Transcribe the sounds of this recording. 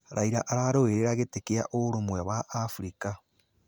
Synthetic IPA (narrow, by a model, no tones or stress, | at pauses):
ɾaiɾaʔaɾaɾoeɾeɾaɣetekea̰ʔoɾomwɛwaʔːfuɾika